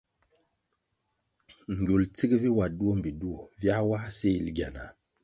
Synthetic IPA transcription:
ŋ˨ɡo˨lt͡si˦kvi˦wa˨du˦o˦m˨bi˨du˦o˨vja˦wa˦se˦i˨lɡa˨na˨

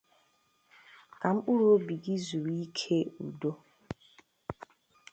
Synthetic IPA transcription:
ka˨m̩˦k͡pu˦ɾo˦bi˨ɡi˦zu˨ɾii˦kʰe˦ṵ˨do˦

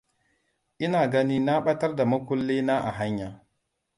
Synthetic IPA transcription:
i˦na˨ɡa˦ni˦na˦ɓa˦ta˦ɾda˨ma˦ku˦lːe˦na˦ʔa̰˨ɦa˦ɲːa˨

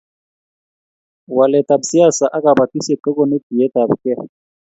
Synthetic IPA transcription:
wa˨lɛ˨tʼa˨bu˨si˦a˦˨sa˨ʔa˦kʼa˨ba˨tʼi˦sɛ˨ǃɛ˦kʼɔ˦ne˦di˨jɛ˦tʼa˨βkʼɛ˦

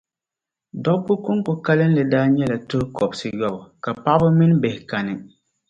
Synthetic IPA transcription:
dɔ˦bːʊ˦kʊ˦ŋkʊ˨ka˦lɨ˦n˦lɨ˨daː˦ɲɛ˦la˨tʊ˦hkɔ˨bsɨ˦jɔ˦bʊ˨ka˨pa˦bʊ˦mɪ˦n˦be˨hɪ˨ka˨nɪ˨

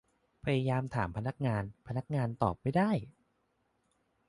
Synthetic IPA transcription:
pʰa˧ja˧jaː˧mt̪ʰaː˩˦mpʰa˧na˦˥k̚ŋaː˧npʰa˧na˦˥k̚ŋaː˧nt̪ɔː˨˩p̚ma˥˩jdaː˥˩j

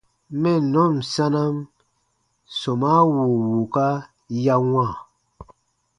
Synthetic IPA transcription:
mɛ˦˨nɔ˦˨m˨sa˦na˦m | so˨ma˦wu˨wu˨ka˦ | ja˦wã˦˨

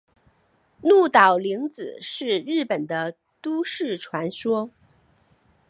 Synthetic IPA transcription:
nu˥˩t̪ɑ˨˩ʊli˧˥ŋt͡sɹ̩˨˩ʂɻ̩˥˧ɻɻ̩˥˩pə˨˩nd̪ə˦ | t̪u˥ʂɻ̩˥˩ʈ͡ʂʰwa˧˥nʂwɔ˥

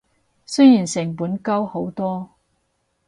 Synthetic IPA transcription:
sɵ˥jjiː˨˩nsɪ˨˩ŋpuː˨˥nkɐ˥who˨˥wt̪ɔː˥

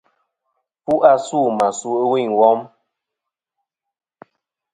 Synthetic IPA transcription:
pu˦ʔa˦su˦˨ma˨su˦˨˦wi˦˨wɔ˦m

